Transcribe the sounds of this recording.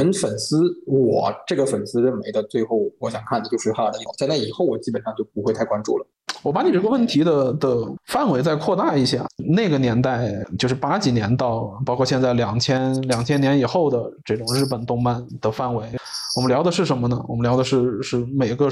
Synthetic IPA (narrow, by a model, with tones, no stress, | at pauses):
ə˧˥nfə˨˩nsɹ̩˥wɔ̰˨˩ʈ͡ʂɤ˥˩ɡə˩fə˨˩nsɹ̩˥ɻə˥˩nme˧˥ɪd̪ə˧t͡swe˥˧ɪxo˥˩ʊwɔ˧˥ɕjɑ˨˩ŋkʰa˥˩nə˩jo˥˧ʊʂɻ̩˥˧xa˥˩d̪ə˧˩˥ɕjɛ˥˧nt͡sa˥˩ɪi˨˩xo˥˩ʊwɔ˨˩t͡ɕi˥pə˨˩nʂɑ˥˧ŋt͡ɕjo˥˩ʊpu˧˥xwe˥˧t̪ʰa˥˩ɪkwa˥nʈ͡ʂṵ˥˩lə˩ | wɔ˨˩pa˧˥ni˨˩ʈ͡ʂə˥ɡə˧wə˥˩nt̪ʰi˧˥d̪ə˧d̪ə˧fa˥˩nwe˧˥ɪt͡sa˥˧ɪkʰwɔ˥˧t̪a˥˧i˥˩ɕja̰˥˩ne˥˩ɡə˩njɛ˧˥nt̪a˥˩ɪt͡ɕjʊʂɻ̩˥˩pa˥t͡ɕi˨˩njɛ˧˥nt̪ɑ˥˧ʊpɑ˥ʊkʰwɔ˥˧ɕjɛ˧nt͡sa˥˩ɪljɑ˨˩ŋt͡ɕʰjɛ˥nljɑ˨˩ŋt͡ɕʰjɛ˥njɛ˧˥ni˨˩xo˥˩ʊd̪ə˩ʈ͡ʂɤ˥˩ʈ͡ʂʊ˨˩ŋɻ̩˥˩p̬ə˨˩nt̪ʊ˥˧ŋpa˥˩nd̪̥ə˩fa˥˩nwe˧˥ɪwɔ˨˩mə˦ljɑ˧˥ʊd̪ə˧ʂɻ̩˥˩ʂə˧˥nmə˧nə˩wɔ̰˨˩mə˦ljɑ˧˥ʊd̪ə˧ʂɻ̩˥˧ʂɻ̩˥˩me˨˩ɪɡə˧